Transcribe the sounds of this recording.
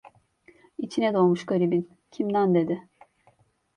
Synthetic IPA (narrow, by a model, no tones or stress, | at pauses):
it͡ʃʰinɛd̪o̞lˠmuʃɡaɾibin | cʰimd̪ænd̪e̞d̪ɪ